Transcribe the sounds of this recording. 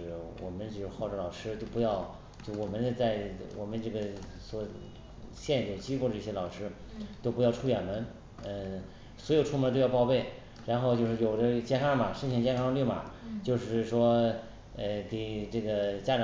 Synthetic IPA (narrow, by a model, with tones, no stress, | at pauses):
wɔ̰˨˩mə˦nt͡ɕo˥˧ʂɻxɑ˥˩ʊʈ͡ʂə˧˥˩lɑ˨˩ʊʂɻ̩˥t̪o˥ʊpjɑ˥˩ʊ | t͡ɕjo˥˧ʊʂwɔ˨˩mə˦nd̪ə˧t͡sa˥˧ɪwɔ˨˩mə˦nʈ͡ʂɤ˥˩ɡə˩ | swɔ˨˧˩ | ɕjɛ˥˧n˧˩jo˥˩t͡ɕi˥ko˥˩ʊd̪ə˩i˥˩ɕjɛ˥lɑ˨˩ʊʂɻ̩˥ | t̪o˥ʊpu˧˥jʊʈ͡ʂʰu˥˩ɥɛ˨˩nmə˧˦˥n | ə˥˧ | swɔ˧˥jo˨˩ʊʈ͡ʂʰu˥m˧˥˧to˥˧jʊpɑ˥˧ʊpe˥˩ɪ | ɻa˧˥nxo˥˧ʊt͡ɕjo˥˧ʂɻ̩˥˩jo˨˩ʊd̪ə˦t͡ɕjɛ˥˧nkʰa˥˩mɐ˩ʂə˥˧nt͡ɕʰi˥˩ŋt͡ɕjɛ˥˧nkʰɑ˥ŋly˥˩mɐ̰˩t͡ɕjo˥˧ʊʂɻ̩˥˩ʂwɔ˥ | ə˥˧ke˨˩ɪʈ͡ʂɤ˥˩ɡə˩t͡ɕja˥ʈ͡ʂɑ˧